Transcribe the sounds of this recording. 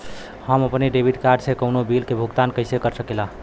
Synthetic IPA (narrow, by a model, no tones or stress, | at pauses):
həməpneɖebʱiʈkaɾɖsẽkəwnobilkebʱuɡt̪ankəɪsekəɾsəkelaɦ